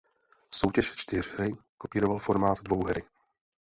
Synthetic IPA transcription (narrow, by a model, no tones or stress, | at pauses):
so̞wcɛʃt͡ʃt̪ɪr̝ɾɪkopiːɾo̞valfo̞ɾmaːt̪dvo̞wɦɛɾɪ